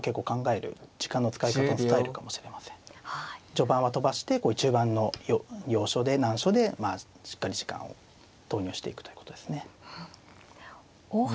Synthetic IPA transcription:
ke̞kːo̞ːkãŋɡae̞ɾɯ̟̰d͡ʑi̥kãnːo̞t͡sɨ̥kaikat̪ant͡ssɨt̪aeɾɯ̟kamo̞ɕi̥ɾe̞masẽ̥ŋhad͡ʑo̞bãɰ̃βat̪o̞baɕi̥t̪e̞ko̞ːit͡ɕɨːbãnːo̞jojʲo̞ːɕo̞d̪e̞nãɰ̃ɕo̞d̪e̞maː | ɕi̥kːaɾʲiʑi̥kã̰ɰ̃o̞̰ | d̪̥o̞ːɲ̟ʲo̟ːɕi̥t̪e̞ikɯ̟t̪o̞jɯ̟̥ːkot̪od̪e̞sɨne̞

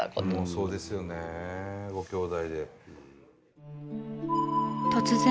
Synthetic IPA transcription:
mosoːd̪e̞sɨjoneɡokʰʲjoːd̪aid̪e̞ | t̪ʰʌt͡ɕʰɯsʰe

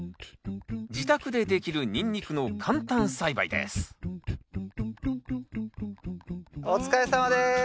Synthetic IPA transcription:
d͡ʑit̪akɯ̟d̪e̞d̪e̞kʲiɾɯ̟ɲ̟ĩɲʲːikɯ̟no̞kʰãnt̪ãñsaiba̰ḭd̪ḛsɨ̥ | ot͡sɨ̥kaesamad̪e

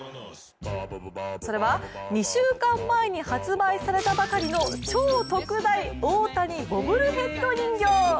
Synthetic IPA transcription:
so̞ɾe̞βaɲ̟iɕɨːkãmːaeɲ̟ihat͡sɨbaisaɾe̞t̪abakaɾʲino̞t͡ɕo̞ːt̪o̞kɯ̟d̪aioːt̪aɲ̟ibo̞bɯ̟ɾɯ̟ɦẽ̞t̪ːo̞ɲĩŋɡʲo̞ː

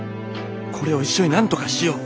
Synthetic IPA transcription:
kʰo̞ɾe̞o̞iɕːo̞ɲ̟inãnt̪o̞kaɕijo

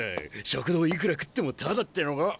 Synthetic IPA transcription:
ɕokɯ̟d̪oːik̬ɾakɯ̥t̪ːe̞mot̪ʰad̪at̪ːenoɡa

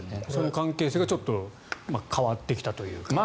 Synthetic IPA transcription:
so̞no̞kãŋke̞ːseːɡat͡ɕo̞t̪ːo̞ | makʰaβat̪ːe̞kʲi̥t̪at̪o̞jɯ̟̰ːkama

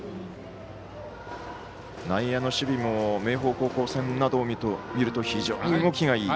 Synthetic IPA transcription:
naijano̞ɕɨbʲimo̞me̞ːɦo̞ːko̞ːko̞ːsẽ̞nːad̪o̞ːmʲomʲiɾɯ̟t̪o̞çiʑoːɲiŋo̞kʲiɡaiː

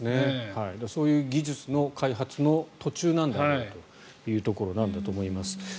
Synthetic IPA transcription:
ne̞haid̪aso̞ːjɯ̟ːɡʲiʑɨt͡sɨno̞kʰaiɦat͡sɨno̞t̪o̞t͡ɕɨːnãnd̪aat̪o̞ | jɯ̟ːt̪o̞ko̞ɾo̞nãnd̪at̪o̞ːmo̞imasɨ̥

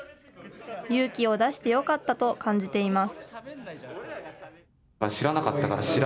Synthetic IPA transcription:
jɯ̟ːkʲio̞d̪aɕi̥t̪e̞jo̞kat̪ːat̪o̞kãɲ̟d͡ʑit̪e̞imasɨ̥ | aɕiɾanakat̪ːakaɾa̰ɕiɾ

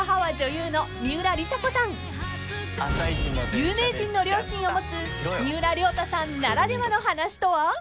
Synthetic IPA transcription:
aɦaβad͡ʑo̞jɯːno̞ɲʲɨːɾaɾʲisako̞sãŋ | aŋɡjɯːme̞ːʑĩnːo̞ɾʲjo̞ːɕĩɰ̃o̞mo̞t͡sɨ | ɲʲɨːɾaɾʲo̞ːt̪asãnːaɾad̪e̞mano̞ɦanaɕi̥t̪o̞βa

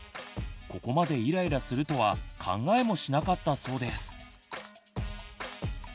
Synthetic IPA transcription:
ko̞ko̞mad̪e̞iɾaiɾasɨɾɯ̟t̪o̞βakʰã̰ŋɡae̞mo̞ɕinakat̪ːaso̞ːd̪e̞sɨ̥

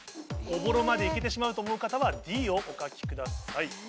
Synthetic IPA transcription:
ɡo̞bo̞ɾo̞mad̪e̞ike̞t̪̬e̞ɕ̬imaɯ̟t̪o̞ːmo̞ɯ̟kat̪aβad̪ʲiːo̞ʔokakʲi̥kɯ̟d̪asai

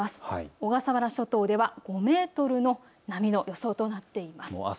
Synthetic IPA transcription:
asɨ̥o̞ɡasaβaɾaɕo̞t̪o̞ːd̪e̞βaɡ̥o̞me̞ːt̪o̞ɾɯ̟no̞ | namʲino̞jo̞so̞ːt̪o̞nat̪ːe̞imas

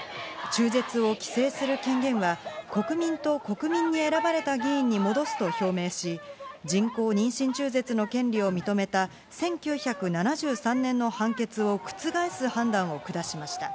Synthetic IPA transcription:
t͡ɕɨːze̞t͡sɨo̞kʲi̥se̞ːsɨɾɯ̟kẽ̞ŋɡẽ̞ɰ̃βako̞kɯ̟mʲĩnt̪o̞ko̞kɯ̟mʲĩɲ̟ːie̞ɾabaɾe̞t̪aɡʲiĩɲ̟ːimo̞d̪o̞sɨ̥t̪o̞ço̞ːme̞ːɕid͡ʑĩŋko̞ːɲ̟ĩɰ̃ɕĩɲ̟t͡ɕɨːze̞t͡sɨno̞kẽ̞nɾʲio̞mʲit̪o̞me̞t̪a | sẽ̞ŋkʲɨːçakɯ̟nanaʑɨːsãnːẽ̞nːo̞hãŋke̞t͡sɨo̞kɯ̟̥t͡sɨɡaisɨhãnd̪ãɰ̃o̞kɯ̟d̪aɕimaɕi̥t̪a

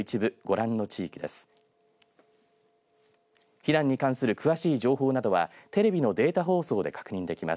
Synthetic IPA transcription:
it͡ɕibɯ̟ɡ̥o̞ɾãnːo̞t͡ɕiːkʲid̪e̞̰sɨ̥ | çiɾãɲ̟ːikãɰ̃sɨɾɯ̟kɯβaɕiːʑo̞ːɦo̞ːnad̪o̞βa̰t̪e̞ɾe̞bʲino̞d̪e̞ːt̪aɦo̞ːso̞ːd̪e̞̰kḁkɯ̟ɲ̟ĩnd̪e̞kʲima̰

